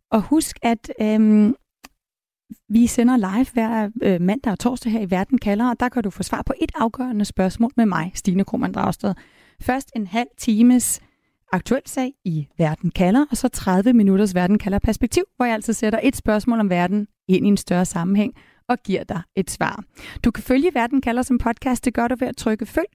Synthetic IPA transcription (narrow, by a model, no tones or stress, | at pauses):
ɒ̽husɡ̥æd̥ | ʋisenɐlɑ̈ɪʋʋæɐ̰̥mæn̰d̥ɑ̈t͡sʰɒ̰ːsd̥əɦeɐ̰iʋæɐd̥n̩kʰælɐɒd̥ɑ̈kʰæd̥ufɔːsʋɑ̈ːpʰɒ̽ʔe̝d̥ɑ̈ʊɡ̥œːɐnəsb̥ɶɐsmɔ̰̽ːlmemɑ̈ɪsd̥iːnəkʰʁo̝̰mænd̥ʁɑ̈ʊsd̥ɛð̩ˠ | fɶɐsd̥e̝nɦæl̰t͡sʰiːməs | ɑ̈ɡ̥̚t͡sʰuel̰sɛ̰ɪiʋæɐd̥n̩kʰælɐʔɒ̽sɒ̽t͡sʰʁɑð̞ˠʋəminuɾ̥ɐs̬ʋæɐd̥n̩kʰælɐpʰæɐsb̥eɡ̥̚t͡sʰiʊ̰ʋɒjaæl̰sɒseɾɐʔe̝d̥sb̥ɶɐsmɔ̰̽ːlɒ̽mʋæɐd̥n̩ | e̝n̰iensd̥ɶɐsɑ̈mm̩ɦeŋ̰ | ɒ̽ɡ̥iɐ̰d̥ɑ̈ɪe̝d̥sʋɑ̰̈ːd̥ukʰæføljəʋæɐd̥n̩kʰælɐsɒ̽mpʰɒ̽d̥̚kʰɑːsd̥e̝ɡ̥ɶɐɾuʋe̝æt͡sʰʁœɡ̥əføl̰